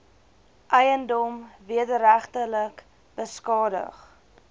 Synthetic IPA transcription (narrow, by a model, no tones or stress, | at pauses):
ʔəjəndɔmviədəɾæχtələk | b̥əskɑːdə̰χ